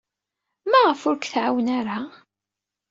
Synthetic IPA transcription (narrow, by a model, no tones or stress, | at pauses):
mæʁəfʊɾkθʕawənaɾa